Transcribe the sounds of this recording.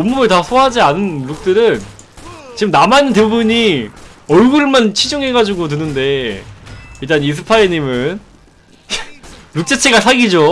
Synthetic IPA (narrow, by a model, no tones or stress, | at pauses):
omːuɯɭtasʰoɦad͡ʑianɯnɾuk̚t͈ɯɾɯn | t͡ɕiɯmnamainːɯnt̬e̞bubuɲi | ʌɭɡuɾɯɭmant͡ɕʰid͡ʑuŋɦe̞ɡad͡ʑuɡotɯnːɯnde̞ | iɭt͈anis̬ʰɯpʰaeɲimɯn | ɾuk̚t͡ɕ͈et͡ɕʰe̞ɡasʰaɡid͡ʑo